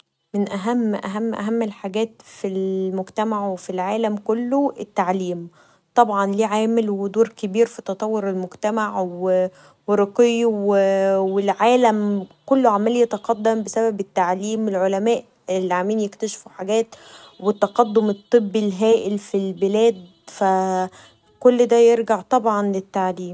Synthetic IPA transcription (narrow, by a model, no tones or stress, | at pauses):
menʔæɦæmːʔæ̰ɦæmːʔæ̰ɦæmːelħaɡæːt̪filmoɡt̪æmaʕwefilʕaːlæmkolːoet̪ːaʕliːm | t̪ˤɑbʕɑnliːʕaːmelwed̪oːɾkebiːɾfit̪ɑt̪ˤɑwːoɾelmoɡt̪æmaʕwe | weɾˤɑqiwwelʕaːlæmkolːoʕamælijet̪ɑqɑd̪ːæmbesæbæbet̪ːaʕliːmelʕolæmæːʔ | elːiʕamiːnjekt̪æʃfuħaɡæːt̪ | wet̪ːɑqɑd̪ːomet̪ˤːɨbːilɦæːʔelfilbelæːd̪ | fæ | kolːd̪æːjeɾɡaʕt̪ˤɑbʕɑnlet̪ːaʕliːm